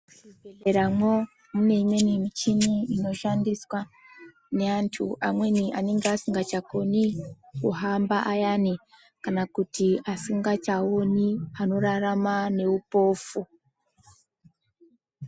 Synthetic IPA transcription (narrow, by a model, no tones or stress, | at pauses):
eɾamo | mune̞imwe̞nimit͡ʃiniino̞ʃandiswa | ne̞antʰṵʔamwe̞niʔane̞ŋɡeasiŋɡat͡ʃako̞nikuɦambaʔajani | kanakutiasiŋɡat͡ʃaoniano̞ɾaramane̞upo̞ːfu